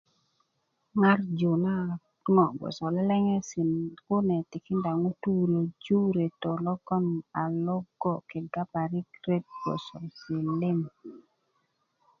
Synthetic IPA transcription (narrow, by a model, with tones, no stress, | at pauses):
ŋa˦rd͡ʒu˨na˦ | ŋɔ˨ɡɔ̰˨sɔ˨lɛ˦lɛ˦ŋɛ˦sɪ˨nkʊ˦nɛ˨tɪ˨kɪ˦nda˨ŋo˦tu˦ɾo˨d͡ʒu˦ɾe˨to˨lɔ˦kɔ˦na˨lɔ˦ɡɔ˨ke˨ɡa˦pa˨ɾɪ˦kɾe˦t̚ɡɔ̰˨sɔ˨sɪ˨lɪ˦ŋ